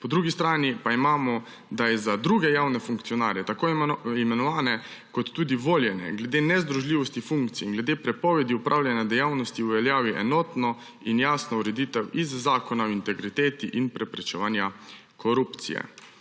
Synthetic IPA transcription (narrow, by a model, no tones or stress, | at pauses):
pɔd̪ɾuːɡist̪ɾaːnipaimaːmɔ | d̪ajɛzad̪ɾuːɡɛjaːwnɛfuŋkt̪sijɔnaːɾjɛt̪akoːimɛnɔʋaːnɛ | kɔt̪ːuːd̪iʋoːljɛnɛ̰ɡlɛd̪enɛzd̪ɾuʒliːʋɔst̪ifuŋkt̪siinɡlɛd̪eːpɾɛpɔʋɛd̪iupɾʔaːwlʲjanjad̪ɛjaːwnɔst̪iuʋɛljaːʋiʔɛnɔːt̪nɔ | injaːsnɔuɾɛd̪iːt̪ɛwizːaːkɔnaɔint̪ɛɡɾit̪eːt̪iʔinpɾɛpɾɛt͡ʃɛ̰ʋaːnja | kʰɔɾupt̪sḭjɛ̰